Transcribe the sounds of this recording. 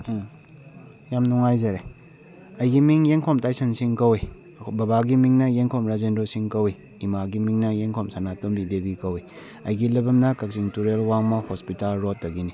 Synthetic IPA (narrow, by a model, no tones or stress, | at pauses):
jamnuŋajzɐɾe | ɐjɡimiŋjeŋkʰɔmtajsɐnsiŋkɐwi | bɐbaɡimiŋnɐjeŋkʰɔmɾazendɾosiŋkɐwi | imaɡimiŋnɐjeŋkʰɔmsanatombibebikɐwi | ɐjɡilɐbɐmnɐkɐk̚siŋtuɾelwaŋmɐhospitalɾotːɐɡini